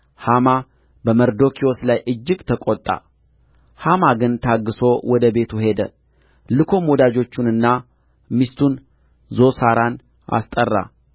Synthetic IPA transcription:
hama | bəməɾd̪o̞kʰioslajʔɨd͡ʒːɨɡt̪ʰəkʼot̪ʼːa̰ | hamaɡɨnt̪ʰaɡːɨso̞wɔd̪əbe̞t̪ʰuhe̞d̪ə | lɨkʰo̞mɔd̪ad͡ʒo̞t͡ʃːunɨnːa | mist̪ʰun | zo̞saɾan | ʔa̰st̪ʼərːa̰

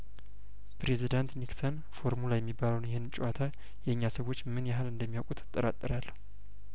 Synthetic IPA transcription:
pʰɾe̞zid̪ant̪niksən | fo̞ɾmulajɛmːibːaləwnjɛhenɨnt͡ʃʼuwat̪ʰa | jɛɨɲːasəwo̞t͡ʃːmɨnjaɦalɨnd̪əmːijawkʼut̪ɨ̥t̪ʼːəɾa̰t̪ʼːɨɾalː

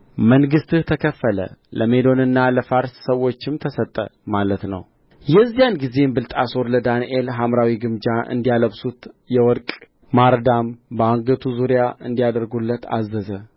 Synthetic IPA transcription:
məŋɡɨst̪ɨht̪ʰəkʰəfːələ̰lʔəme̞d̪o̞nɨnːaləfaɾssəwo̞t͡ʃːɪmt̪ʰəsət̪ʼːə̰malət̪nə̰w | jɛzːijanɡize̞mbɨlt̪ʼaso̞ɾləd̪anʔelɦamɾawiɡɨmd͡ʒaʔɨ̰nd̪ijaləβsut̪jɛwɔɾkʼ | maɾd̪ambəaŋɡət̪ʰuzuɾijaʔɨ̰nd̪ijad̪əɾɡulːət̪ʰa̰zːəzə

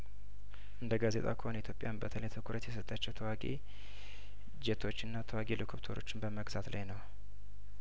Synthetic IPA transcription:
ʔɨnd̪əɡaze̞t̪ʼa̰kʰəho̞nit̪ʰjo̞pʼjambət̪ʰələjt̪ʰɨkʰuɾət̪jɛs̬ət̪ʼːat͡ʃːɛwt̪ʰəwaɡḛ | d͡ʒet̪ʰo̞t͡ʃːɨnːat̪ʰəwaɡelikʰoβt̪ʰoɾo̞̰t͡ʃːɪnbəməɡzat̪lʔa̰jnəw

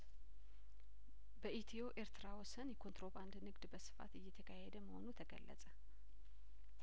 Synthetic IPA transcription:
bəʔit̪ʰio̞ʔe̞ɾt̪ʰɨɾawɔsənjɛkʰo̞nt̪ɾo̞band̪nɨɡd̪bəsɨ̥fa̰t̪ɨjːɛt̪ʰəkʰahed̪əməho̞̰nut̪ʰəɡə̰lːə̰t͡sʼə

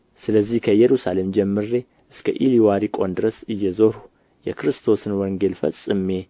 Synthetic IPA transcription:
sɨləzːihkʰəjɛɾusale̞md͡ʒɛmːɨɾːe̞ | ʔɨskʰəʔiliwaɾikʼo̞nd̪ɨɾəsɨjːɛzoɾu | jɛ̰kʰɨɾɨst̪ʰo̞sɨnwɔŋɡe̞lfə̰sʼɨmːe̞

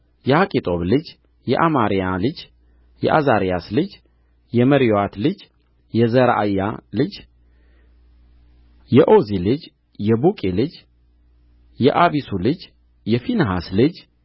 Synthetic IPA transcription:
jɛhakʼit̪ʼo̞βlɨd͡ʒ | jɛʔamaɾijalɨd͡ʒ | jɛ̰ʔazaɾijaslɨd͡ʒ | jɛməɾioat̪lɨd͡ʒ | jɛzəɾaa̰jːa̰lɨd͡ʒ | jɛʔozilɨd͡ʒ | jɛbukʼilɨd͡ʒ | jɛʔaβisulɨd͡ʒ | jɛfinɦaslɨd͡ʒ

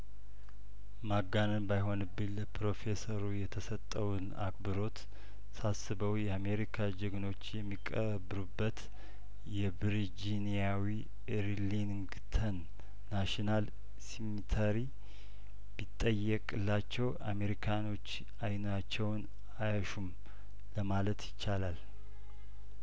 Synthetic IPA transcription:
maɡanɨnbajɦo̞nɨbːɨləpʰɾo̞fe̞səɾujɛt̪ʰəsət̪ʼːəwuna̰kbɨɾo̞t̪ | sasɨbəwjɛame̞ɾikʰad͡ʒɛɡno̞t͡ʃːjɛmːikʼə | bɨɾubːət̪ | jɛbɾid͡ʒinijawi | ɾliŋɡ | t̪ʰənː | aʃinal | simit̪ʰəɾi | bit̪ʼːəjəkʼɨlːat͡ʃːɛwʔame̞ɾikʰano̞t͡ʃː | ajnat͡ʃːɛwn | ajəʃum | ləmalət̪jɪt͡ʃːalal

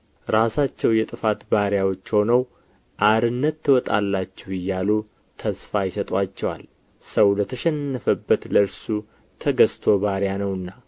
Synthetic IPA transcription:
ɾasat͡ʃːɛwjɛt̪ʼɨfat̪baɾjawo̞t͡ʃːho̞nəw | ʔaɾɨnːət̪ʰːɨwɔt̪ʼa̰lːat͡ʃːɛwɪjːalu | t̪ʰəsfajɪsət̪ʼwat͡ʃːɛwa̰l | səwlət̪ʰəʃɛnːəfəbːət̪ləɾsu | t̪ʰəɡəst̪ʰo̞baɾjanəwɨnːa

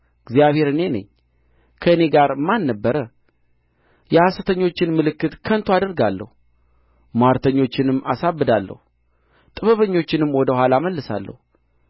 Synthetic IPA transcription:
ɨɡzijaβhe̞ɾɨne̞nə̰ɲː | kʰəɨne̞ɡaɾmanːəbːəɾə | jɛhasət̪ʰəɲːo̞t͡ʃːɪnmɨlɨkːɨt̪kʰənt̪ʰoad̪əɾɡalːə̰hu | maɾt̪ʰəɲːo̞t͡ʃːɪnɨmːasabːɨd̪alːə̰hu | t̪ʼɨβəβəɲːo̞t͡ʃːɪnɨmwɔd̪əhʷwʷalaməlːɨsa̰lːə̰hu

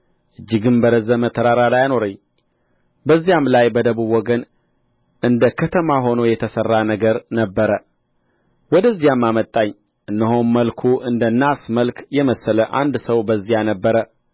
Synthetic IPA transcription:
ʔɨd͡ʒːɪɡɨmbəɾəzəmət̪ʰːəɾaɾalajano̞ɾəɲː | bəzːijamlajbəd̪əβubwɔɡən | ʔɨnd̪əkʰət̪ʰəmaɦo̞no̞jɛt̪ʰəsərːanəɡəɾnəbːəɾə | wɔd̪əzːijamːamət̪ʼːaɲː | ʔɨnːəɦonməlkʰuʔɨnd̪ənːasməlkʰjɛməsːələʔand̪səwbəzːijanəbːəɾə

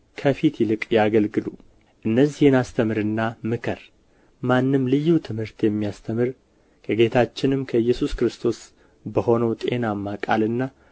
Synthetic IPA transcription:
kʰəfit̪jɪlɨkʼjaɡəlɡɨlu | ʔɨnːəzːihɨnast̪ʰəmɨɾɨnːamɨkʰəɾ | manːɨmlɨjːut̪ʰɨmhɨɾt̪jɛmːijast̪ʰəmɨɾ | kʰəɡe̞t̪ʰat͡ʃːɪnɨmkʰəɨjːɛsuskɾɨst̪ʰo̞s | bəho̞nəwt̪ʼe̞namːakʼa̰lɨnːa

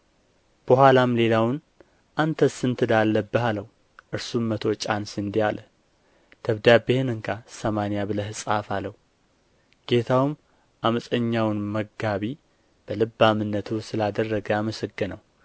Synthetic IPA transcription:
b̥əɦalamle̞lawɨn | ʔant̪ʰəsɨnt̪ʰɨd̪alːəbːəhaləw | ʔɨɾsumːət̪ʰo̞t͡ʃʼansɨnd̪ijalʔə | d̪̥əβd̪abehɨnɨŋkʰasəmanijabɨləhɨsʼafalːəw | ɡ̥e̞t̪ʰawɨm | ʔaməsʼəɲːawnməɡːaβi | b̥əlɨbːamɨnːət̪ʰusɨlad̪ərːəɡəjaməsəɡɨnaw

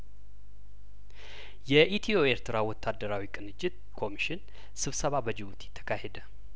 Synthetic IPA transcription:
jɛʔit̪ʰioeɾt̪ʰɨɾawɔt̪ʰːad̪ːəɾawikʼɨnɨt͡ʃːɪt̪ | kʰo̞miʃɪn | sɨβsəβabəd͡ʒɪβut̪jɪ̥t̪ʰːə̥kʰahed̪ə

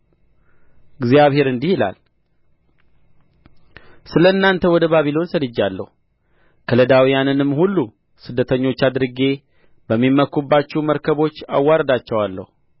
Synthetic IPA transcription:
ɡzijaβhe̞ɾɨnd̪ihila̰l | sɨləɨnːant̪ʰəwɔd̪əβaβilo̞nsəlɨd͡ʒːalːə̰hu | kʰələd̪awijanɨnɨmːhulːu | sɨd̪ːət̪ʰəɲːo̞t͡ʃːad̪ɾɨɡe̞ | bəmːimːəkːubːat͡ʃːuməɾkʰəβo̞t͡ʃːa̰wːaɾəd̪at͡ʃːɛwalːə̰hu

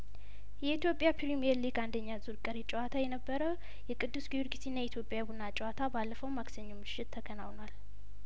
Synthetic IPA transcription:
jɛit̪ʰjo̞pʼjapʰiɾimieɾliɡand̪əɲːazuɾkʼəɾit͡ʃʼɛwat̪ʰajɛnəbːəɾəw | jɛkʼɨd̪ːusɡiwuɾɡisinːajɛit̪ʰjo̞pʼjabunːat͡ʃʼɛwat̪ʰabalːəfəwmaɡsəɲːumɨʃːɪt̪ʰːəɡʰənawnwal

